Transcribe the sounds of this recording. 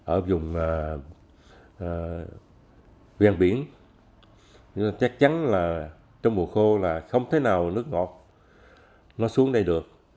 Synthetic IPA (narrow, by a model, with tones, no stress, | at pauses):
ʔəː˧˩zʊ˨˩ŋ͡mː | vaː˧ŋɓi˧˩ən˧ | t͡ɕa˦˥k̚t͡ɕa˨˦nlaː˨˩ | t͡ɕɔ˧wŋ͡mmu˨˩əxo˧laː˨˩xə˧wŋ͡mt̪ʰe˨˦naː˨˩wnɨ˦˥ək̚ŋɔ˨˩t̚ | nɔ˨˦jsu˨˦əŋɗə˧jɗɨ˨˩ək̚